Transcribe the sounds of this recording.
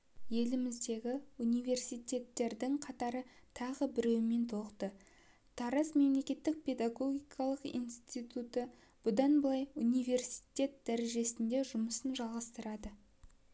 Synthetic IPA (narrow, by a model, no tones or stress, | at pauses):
je̞lɪmɪzd̪e̞ɡʲɪunijve̞rsijt̪ʲe̞t̪ːe̞ɾd̪ɪŋqʰɑt̪ɑɾət̪ʰɑʁəbɪɾe̞wɪme̞nt̪ʰo̞qt̪ə | t̪ʰɑɾɑsme̞mle̞kʲe̞t̪ːɪk̚pʲʰe̞d̪aɡo̞ɡʲijkʰɑlˠəqḭnst̪ijt̪ut̪ə | b̥ʊd̪ɑnbəlˠɑjunijve̞rsi̥jt̪ʲe̞t̪̚d̪æɾe̞ʒe̞sɪnd̪e̞ʒʊməsənʒɑlˠʁɑst̪əɾɑd̪ə